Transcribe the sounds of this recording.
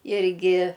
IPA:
ˈɪrʲɡʲɪ

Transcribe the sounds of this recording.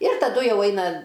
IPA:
ɪr tɐˈdʊ ˈjɛʊ ˈɐɪnɐ

